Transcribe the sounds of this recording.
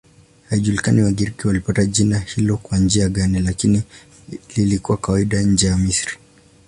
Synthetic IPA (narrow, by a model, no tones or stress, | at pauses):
haiʄulikaniwaɠiɾikiwalipataʄinahilɔkwand͡ʒiaɠanilakini | lilikuwakawaiɗaɲ̩d͡ʒɛjamisɾi